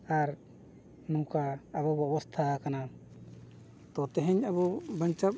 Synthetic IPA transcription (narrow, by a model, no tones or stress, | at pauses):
aɾ | nũkaːbɔbɔbɔst̪ʰakana | t̪ɔt̪ɛɦɛɲabɔbəɲt͡ʃap̚